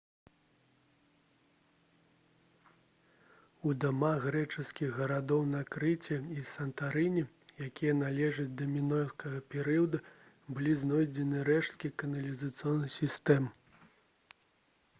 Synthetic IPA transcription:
ud̪amaɣɣɾɛt͡ʂɨskʲiɣːɐɾad̪ɔwnakɾɨt͡sʲɛisɐnt̪aɾɨnʲi | jakʲijɐnalʲɛʐɐt͡sʲd̪ɐmʲinɔjskɐɣɐpʲɛɾɨjɐd̪ɐ | bɨlʲiznɔjd͡zʲɛnɨɾɛʂt̪̚kʲikɐnɐlʲizɐt̪sɨjɔnːɨsʲist̪ɛm

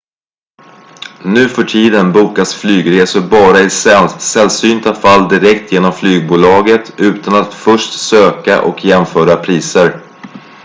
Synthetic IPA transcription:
nʉ̟ːfœʈʰiːd̪ənbuːkasflyːɡɾeːsʊɾbɑːɾaɪssɛlsyːnt̪afald̪ɪɾɛkt̪ʰjeːnɔmflyːɡ̚buːlɑːɡət̪ʰʉ̟ːt̪anat̪fœʂʈsøːkaʔɔ̰kʰjɛmfœːɾapʰɾiːsəɾ

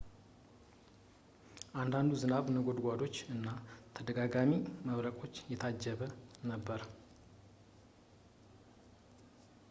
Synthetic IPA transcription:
ʔand̪and̪uzɨnaβnəɡo̞d̪ɡʷad̪o̞t͡ʃːɨnːat̪ʰəd̪əɡaɡamiməβɾəkʼo̞t͡ʃːjɛt̪ʰad͡ʒːɛβənəbːəɾ

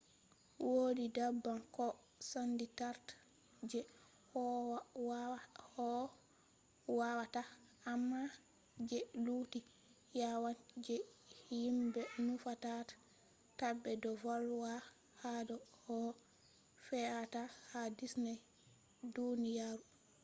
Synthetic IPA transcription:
wodidabːankɔ | sanditaɾt | d͡ʒɛ | hɔ | hɔ | wawataamːa | d͡ʒɛluːti | jawand͡ʒɛhjimbɛnufatatḁ | tabːɛdɔvɔlwa | hadɔhɔ | fɛatahadisnɛj | dunijaːɾu

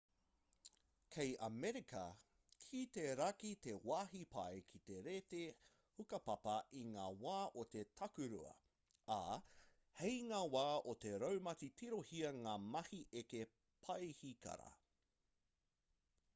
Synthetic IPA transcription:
kʰejʔɐmɛɾikʰɐ̰ | kʰit̪eɾɐkit̪e̞waːɦipʰɐjkʰit̪e̞ɾeːt̪e | hukɐpɐpɐʔiŋaːwaːʔot̪e̞tʰɐkʉɾṵɐ̰ | a | hejŋaːwaːot̪e̞ɾɐwmɐt͡sitʰiɾohiɐŋaːmɐhiʔeke | pʰɐjhikɐ̰ɾɐ̰

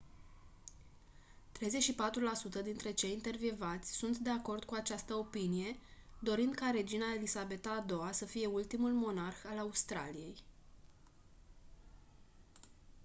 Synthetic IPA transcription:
t̪ɾe̞jze̞t͡ʃʲʃipat̪ɾulasut̪əd̪int̪ɾe̞t͡ʃe̞jint̪e̞rvjvat̪sʲsunt̪d̪e̞ako̞rd̪kuat͡ʃast̪əo̞pinije̞d̪o̞ɾind̪̚kaɾe̞d͡ʒinaelisabe̞t̪aːd̪o̞asəfije̞ult̪imulmo̞narxalaust̪ɾa̰lije̞j

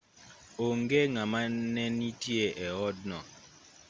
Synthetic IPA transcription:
oŋɡeŋamanɛnitjeʔɛɔd̚nɔ̰

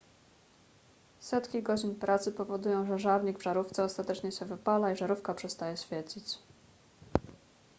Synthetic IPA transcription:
sɛt̪kʲiɡɔd͡ʑinpɾat̪sɘpɔvɔd̪ujɔ̃w̃ʐɛʐavɲiɡvʐaɾuft̪sɛɔst̪at̪ɛt͡ʂɲɛɕɛvɘpalaiʐaɾufkapʂɛst̪ajɛɕfʲjɛɾd͡ʑit͡ɕ

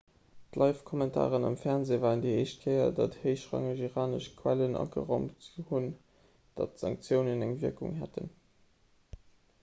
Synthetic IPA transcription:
d̥lʔɑɪfkʰɔmɛntʰa̰ːʁənɑ̰mfɛʁnzeːvaːəndieɪʃt̚kʰəɪɐ̰dɑtheɪʃʁɑ̰ŋəʒiʁaːnəʃkʰwælənʔɑ̰kə̰ʁɑmthun | d̥ɑtz̥ɑŋk̚t͡sjəʊnənæŋviɐkṵŋɦætʰə̰n

